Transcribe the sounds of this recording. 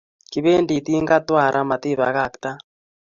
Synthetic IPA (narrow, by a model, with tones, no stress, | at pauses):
ki˨βe˦ndi˨t̪i˦ŋɡa˦twa˦˨ɾʔa˦ma˨t̪i˦˨βa̰˨˦ɣa˨kt̪a˦